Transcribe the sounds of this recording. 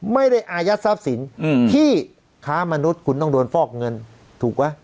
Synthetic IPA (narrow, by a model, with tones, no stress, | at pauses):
ma˥˩jda˥˩jʔaː˧ja˦˥sa˦˥p̚si˩˦nt̪ʰiː˥˩ | kʰaː˦˥ma˧nu˦˥t̪̚kʰu˧nːɔ˥˩du˧nfɔː˥˩k̚ŋɤ˧n | t̪ʰuː˨˩k̚wa˦˥j